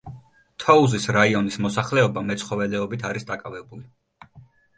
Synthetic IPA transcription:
t̪ʰɔuzisɾaiɔnismɔsaχlɛɔbamɛt̪sʰχɔvɛlɛɔbit̪ʰaɾisd̪akʼavɛbuli

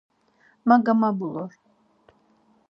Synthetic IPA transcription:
maɡamabulɔɾ

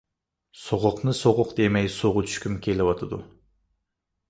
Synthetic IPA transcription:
soʁʊqnɨsoʁʊqd̪emɛjsoʁʊt͡ʃʰy̥ʃkʲymkʲʰelɪwɑt̪ʰɨd̪ṵ

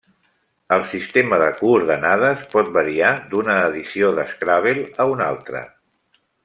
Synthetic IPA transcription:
əlˠsist̪eməðə̰kuːɾðənað̞əspɔt̪̚bəɾiad̪unəːðisioðəskɾaβ̞elˠəuna̰lˠt̪ɾə̰

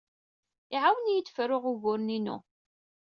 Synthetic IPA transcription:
ɪʕawənjit͡sːfɾʊʁʊɣʊɾninṵ

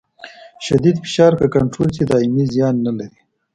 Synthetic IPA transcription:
ʃad̪id̪fɪ̥ʃɑɾkakaɳʈɾolsed̪ɑimizjɑnːalaɾi

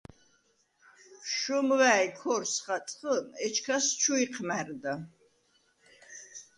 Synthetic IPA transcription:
ʃɔmwæːjkʰɔrsχatʼχənɛt͡ʃʰkʰast͡ʃʰuiqʰmærd̪a

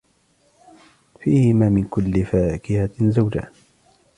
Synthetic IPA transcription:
fiːhɪmaːmɪnkʊlːɪfaːkɪhazawd͡ʒa̰h

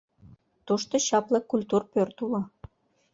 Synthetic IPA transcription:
t̪uʃt̪oɕɑplɤ̆kulʲt̪urpørt̪ulɤ

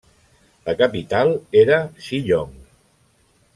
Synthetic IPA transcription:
ləkəpit̪alˠeɾəʃiʎoŋ

